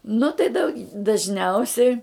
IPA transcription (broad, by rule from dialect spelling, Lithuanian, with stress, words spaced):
nʊ tɐɪ dɐʊ dɐʒʲˈnʲɛʊsʲɛɪ